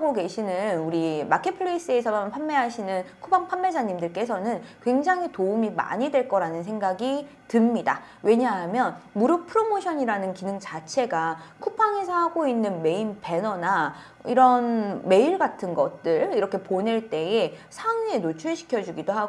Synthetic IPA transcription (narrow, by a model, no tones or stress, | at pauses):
aɡoke̞ɕʰinɯnuɾimakʰepʰɯɭeis͈ɯe̞sʰʌmanpʰamme̞ɦaɕʰinɯnkʰupʰaŋpʰamːe̞d͡ʑaɲimdɯɭk͈e̞sʰʌnɯnkwe̞ŋd͡ʑaŋɦitoumima̰ɲidwe̞ɭk͈ʌɾanɯnsʰe̞ŋɡaɡi | tɯmɲidawe̞ɲaɦamjʌnmuɾjopʰɯɾomoɕʰʌɲiɾanɯnkinɯŋt͡ɕat͡ɕʰe̞ɡakʰupʰaŋe̞sʰʌɦaɡoinːɯnme̞inpe̞nʌna | ḭɾʌnme̞iɭɡatʰɯnɡʌt̚t͈ɯɭiɾʌkʰe̞pone̞ɭt͈e̞e | sʰaŋɯenot͡ɕʰuɕʰi̥kʰjʌd͡ʑuɡidoɦaɡ